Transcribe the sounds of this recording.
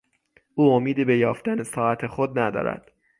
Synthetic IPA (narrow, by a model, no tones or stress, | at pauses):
ʔuːomiːd̪iːbe̞jɒːft̪ænesɒːæt̪ʰexod̪̚næd̪ɒ̰ːɾæ̰d̪̥